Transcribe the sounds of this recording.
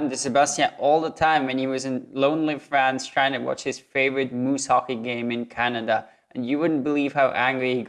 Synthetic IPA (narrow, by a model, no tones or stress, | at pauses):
m̩dɨsɨbʌstiɨ̃ʔɔlˠðətʰãɪ̃mwɨ̃niwʌzɨ̃nlõʊ̃nlifɹæ̃nz̥tʰɹ̥aɪɪ̃ŋtʰɨwɑ̰t͡ʃhɨz̥feɪvəɹɨd̚mushɑkiɡẽɪ̃mɨ̃nkʰænɨdə | ʔɨ̃njɨwʊdⁿn̩b̥əliv̥haʊʔæ̃ŋɡɹihi